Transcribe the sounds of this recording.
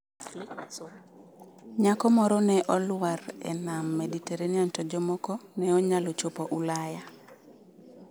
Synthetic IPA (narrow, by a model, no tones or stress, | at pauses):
ɲakɔmɔɾɔnɛʔɔlwaɾɛ̰namːɛditeɾeniantɔd͡ʒɔmɔkɔnɛɔɲalɔt͡ʃopoʔulaja